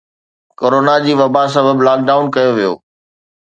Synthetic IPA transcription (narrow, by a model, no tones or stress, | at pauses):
koːɾoːnad͡ʑiːʋɐbas̬ɐbəblaːk̚ɖaːʊnkɐjoʋijo̰ː